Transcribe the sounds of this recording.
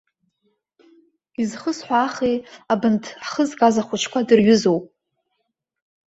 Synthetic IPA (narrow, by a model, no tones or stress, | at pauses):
izχəsħʷaːχejabɨntʰχəzɡʼazaχʷʊt͡ʃʰkʷʰadɨrɥʏzowpʼ